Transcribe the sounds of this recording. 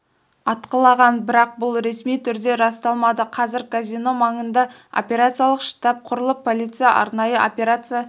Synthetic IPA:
ɑt̪qəlˠɑʁɑnbɪɾɑq̚bʊlˠɾe̞smijt̪ʰʏɾd̪e̞ɾɑst̪ɑlˠmɑd̪əqʰɑzɪɾkʰazijno̞mɑɴənd̪ɑo̰pʲe̞ɾat̪sɨjalˠəqʃə̥t̪ɑp̚qʰʊɾəlˠəpʰːolʲit̪sɨjaʔɑ̰ɾnɑjəʔopʲe̞ɾat̪sɨja

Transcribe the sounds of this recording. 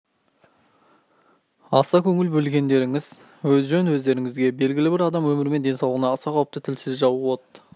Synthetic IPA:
ɑsɑkʲʰɵŋɪlbɵlɡʲe̞nd̪e̞ɾɪŋɪz | wɵzʒɵnwɵzd̪e̞ɾɪŋɪzɡʲe̞be̞lɡʲɪlɪbɪɾɑd̪ɑmwɵmɪɾɪme̞nd̪e̞nsɑwlˠʁənɑːsɑqʰɑwəp̚t̪ət̪ʰɪlsɪzʒɑwəwot̪ːə

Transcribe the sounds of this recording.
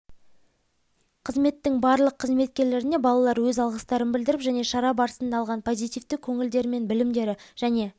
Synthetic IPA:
qʰəzme̞t̪ːɪŋbɑɾlˠəqʰːəzme̞t̪̚kʲe̞ɾle̞ɾɪne̞bɑlˠɑlˠɑɾwɵzɑlˠʁəst̪ɑɾənbɪld̪ɪɾɪpʒæne̞ʃɑɾɑbɑɾəsənd̪ɑlˠʁɑnpʰo̞zijt̪ijvt̪ɪkʲʰɵŋɪld̪e̞ɾɪme̞nbɪlɪmd̪e̞ɾɪʒ̥æne̞

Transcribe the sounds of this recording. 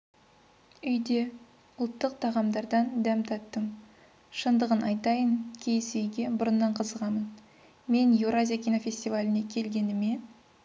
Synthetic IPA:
ʏjd̪e̞ | ʊlˠt̪ːəq̚t̪ʰɑʁɑmd̪ɑɾd̪ɑnd̪æmt̪ʰɑtt̪ːəm | ʃənd̪əʁənʔɑjt̪ɑjənkʲʰejɪsʏjɡʲe̞bʊɾənːɑɴqʰəzəʁɑmən | me̞njewɾazʲijakʲijnofʲe̞sʲt̪ʲivalʲɪne̞kʲʰe̞lɡʲe̞nɪme̞n

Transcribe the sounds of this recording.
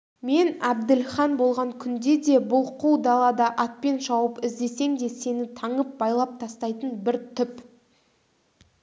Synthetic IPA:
me̞næbd̪ɪlχɑnbo̞lˠʁɑŋkʲʰʏnd̪e̞d̪e̞bʊlˠqʰuwd̪ɑlˠɑd̪ɑʔɑt̪̚pe̞nʒɑwəpɪzd̪e̞se̞ŋd̪e̞se̞nɪt̪ʰɑɴəp̚bɑjlˠɑp̚t̪ʰɑst̪ɑjt̪ənbɪɾt̪ʰʏp

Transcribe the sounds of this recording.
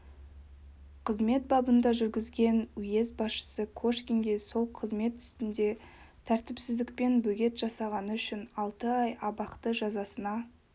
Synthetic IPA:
qʰəzme̞t̪̚bɑbənd̪ɑʒʏɾɡʲɪzɡʲe̞nʏje̞zbɑsʃə̥səkʰoʃkʲiŋɡʲe̞so̞lˠqʰəzme̞t̪ʏ̥st̪ɪnd̪e̞ | t̪ʰæɾt̪ɪpsɪzd̪ɪk̚pe̞nbɵɡʲe̞t̪ʒɑsɑʁɑnəʏʃɪnɑlˠt̪əɑjɑbɑqt̪əʒɑzɑsənɑ

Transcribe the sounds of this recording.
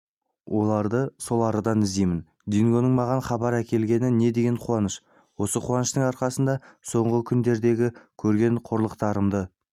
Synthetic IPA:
wʔo̞lˠɑɾd̪əso̞lˠɑɾəd̪ɑnɪzd̪ejmɪn | d̪iŋɡo̞nəɴmɑʁɑnχɑbɑɾækʲe̞lɡʲe̞nɪne̞d̪e̞ɡʲeɴqʰwɑnəʃ | wo̞səqʰuɑnəʃt̪əɴɑɾqɑsənd̪ɑso̞ɴʁəkʲʰʏnd̪e̞ɾd̪e̞ɡʲɪkʲʰɵɾɡʲe̞ɴqʰoɾlˠəqt̪ɑɾəmd̪ə

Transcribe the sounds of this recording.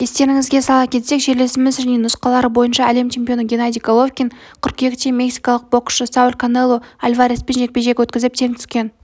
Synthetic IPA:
je̞st̪e̞ɾɪŋɪzɡʲe̞sɑlˠɑkʲʰet̪se̞kʒe̞ɾle̞sɪmɪznenʊsqɑlˠɑɾəbo̞jənʃɑːle̞mt͡ʃʰe̞mpʲio̞nəɡʲenad̪ijkolˠofkʲinkʲʰʏɾkʲje̞kʲt̪emʲe̞ksijkɑlˠəq̚bo̞qə̥ːəsaulʲkʰonelˠoalʲvaɾʲespe̞nʒe̞k̚pʲe̞ʒe̞kʲwɵt̪kʲɪzɪp̚t̪ʰe̞ŋt̪ʰʏ̥skʲe̞n

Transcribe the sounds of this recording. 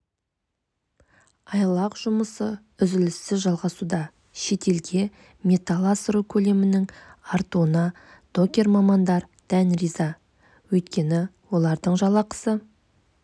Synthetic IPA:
ɑjɑlˠɑqʒ̥ʊməsə | ʏzɪlɪst̪ɪzʒɑlˠʁɑsud̪ɑ | ʃe̞t̪e̞lɡʲe̞ | mʲe̞t̪alˠasɾokʲʰɵle̞mɪnɪŋaɾt̪uənɑ | d̪̥o̞kʲe̞ɾmɑmɑnd̪ɑɾd̪̥ænrijzɑ | wɵjt̪kʲe̞nɪwo̞lˠɑɾd̪əɴʒɑlˠɑqə̥sə

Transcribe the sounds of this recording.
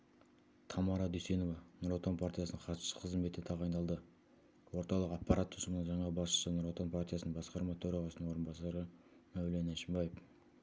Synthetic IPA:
t̪ʰɑmɑɾɑd̪yjse̞no̞vɑnoɾot̪o̞npʰart̪ʲijasənəɴχʰɑt̪ʃə̥sə̥qʰəzmbe̞t̪ːɪt̪ʰɑʁɑjnɑlˠd̪ə | wo̞ɾt̪ɑlˠəqɑpːɑɾat̪ːʰʊsəmənəɴʒɑɴɑbɑsʃə̥sənoɾot̪o̞npʰart̪ijasəəɴbɑsqɑɾmɑt̪ʰɵɾɑʁɑsəəɴwo̞ɾənbɑsɑɾə | næwlenæʃɪmbɑjef

